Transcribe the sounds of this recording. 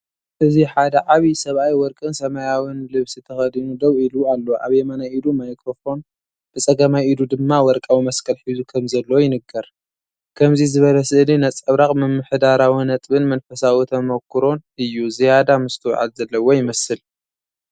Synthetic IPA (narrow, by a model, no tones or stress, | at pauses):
ʔɨziħad̪ɐʕaβisɐβʔajwɔɾkʼɨnsɐmajawɨnlɨβsit̪ʰɐxɐd̪inud̪ɐwilualːo̞ʔa̰βjɛmɐnaʔid̪umajkʼɾofo̞n | b̥ɨt͡sʼɐɡɐmajid̪ud̪ɨmːawɔɾkʼawimɐskʰɐlħizukʰɐmzɐlːɐwojɪnɨɡɐɾ | kʰɐmzizɨβɐlɐsɨʔlinat͡sʼɐβɾaχʼmɨmːɨħd̪aɾawinɐt̪ʼβɨnmɐnfɐsawit̪ʰɐmɐkʰːɨɾo̞nɨjːuzijad̪amɨst̪ʰɨw̰ʕa̰d̪zɐlːɐwo̞jɪmɐsɨl